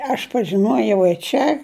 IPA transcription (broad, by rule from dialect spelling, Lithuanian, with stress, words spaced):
ɐʃ pɐʒʲɪˈnuɔjɛʊ ɪ ˈt͡ʃʲɛ